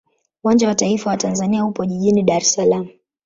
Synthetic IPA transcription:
uwand͡ʒawataifawatanzaniahupɔʄiʄiniɗaɾɛsalamu

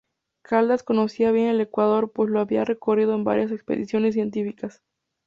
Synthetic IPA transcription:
kʰald̪asko̞no̞siaβje̞nele̞kwað̞o̞ɾpwe̞sloaβiare̞ko̞rið̞oemba̰ɾjas̬e̞kspe̞̰ðḭsjo̞nes̬ːje̞nt̪ifikas

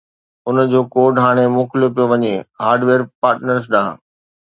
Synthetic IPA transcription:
ʊnəd͡ʑoːkoːɖɦaːɽ̃emʊːklijop̬ijoʋɐɲehaːɾɖʋeːɾpaːɾʈnəɾs̬ɗãː

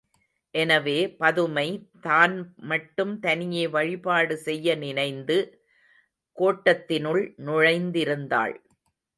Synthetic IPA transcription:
ʔɛnɐʋeːpɐðɯmɐɪt̪aːnmɐʈːɯmt̪ɐnɪjeːʋɐɻɪpaːɽɯsɛjːɐnɪnɐɪnd̪ɯ | koːʈːɐt̪ːɪnɯɭnʊɻɐɪnd̪ɪɾɯnd̪a̰ːɭ

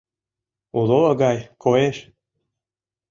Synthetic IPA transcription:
uloəɡɑjkʰojeʃ

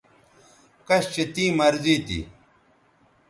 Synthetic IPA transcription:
kɐɕt͡ɕet̪ĩːmɐɾziːt̪ḭ

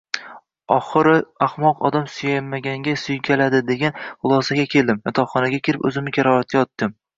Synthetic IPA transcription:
ɒχɨɾɪaχmɒqɒd̪amsʊjajmːaɡʲaŋɡʲasʊjkʲʰalad̪ɪd̪e̞ɡʲanχʊlˠɒsaɡʲakʲʰe̞ld̪ɪmjɒt̪ʰɒχɒnaɡʲakʲʰeɾɪpɵ̰zɪmɪkʲʰaɾɒat̪̚kʲaɒt̪ːɪm

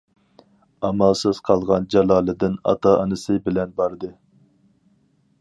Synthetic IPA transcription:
ɑmɑlˠsɨz̥qʰɑlˠʁɑnd͡ʒɑlˠɑːlˠɨd̪ɪnɑ̰t̪ʰɑʔɑnɨsɨbɪlɛnbɑɾd̪ɨ

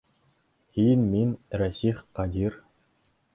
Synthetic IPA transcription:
hinʲmʲinɾæsʲiχqɑd̪ʲir

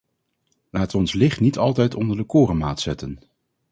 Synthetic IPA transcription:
laːtɔnslɪχtnitɑlˠtɛjtɔndəɹdəkʊːrəma̰ːtsɛtən

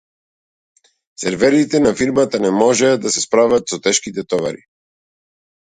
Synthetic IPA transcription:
sɛɾvɛɾit̪ɛnafiɾmat̪anɛmɔʒɛad̪asɛspɾavat̪sɔt̪ɛʃkit̪ɛt̪ɔva̰ɾḭ

